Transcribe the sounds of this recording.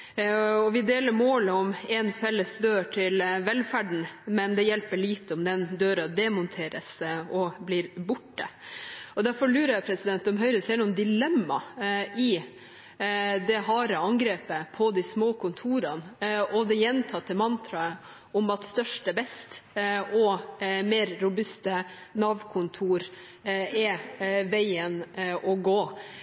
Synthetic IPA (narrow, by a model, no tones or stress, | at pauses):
ɔʋɪd̪eːləɾmoːləɔmɛnfɛlːəsd̪øːʈʰɪlʋɛlfæɖɳ̩mɛnd̪ɛjɛlpəɭiːt̪ɔmd̪ɛnd̪øːɾɑd̪ɛmʊnt̪ʰeːɾəsɔblɪːɾbʊʈːəɔd̪æɾfɔɾɭʉːɾɑjɛpʰɾɛsɪd̪ɛnt̪ːɔmɦœʏɾəseːnʊnd̪ɪlɛmːɑɪ | d̪ɛɦɑːɾəɑŋɡɾeːpəpʰɔd̪ɪsmoːkʰʊnt̪ʰuːɾɑnɔd̪ɛjɛnt̪ʰɑt̪ːəmɑnt̪ʰɾɑə | ʊmɑt̪st̪œʂʈəbɛst̪ʔɔmeːɾːʊbʉst̪ənɑːʋkʰʊnt̪ʰuːɾ | ɛʋæɪənɔɡoː